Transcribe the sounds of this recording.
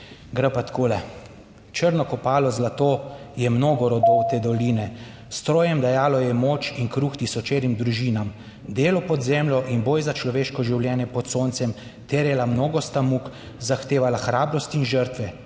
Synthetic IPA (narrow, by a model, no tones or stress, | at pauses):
ɡɾapat̪kʰoːlɛ | t͡ʃəɾnɔkɔpaːlɔzlat̪ojɛmnoːɡɔɾɔd̪owt̪ed̪ɔliːnɛ | st̪ɾoːjɛmd̪ajaːlɔjɛmoːt͡ʃinkɾuxt̪isɔt͡ʃeːɾimd̪ɾuʒiːnam | d̪eːlɔpɔd̪zɛːmlɔʔinboːjzat͡ʃlɔʋeːʃkɔʒiwljɛːnjɛpɔt̪soːnt̪sɛm | t̪eɾjɛlamnoːɡɔst̪amuk | zaxt̪eːʋalaxɾaːbɾɔst̪iːnʒəɾt̪ʋɛ